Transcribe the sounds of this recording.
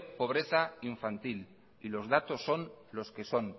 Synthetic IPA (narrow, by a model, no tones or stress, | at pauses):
po̞β̞ɾeθaiɱfant̪il | ilo̞zð̞at̪o̞sːo̞nlo̞ske̞so̞n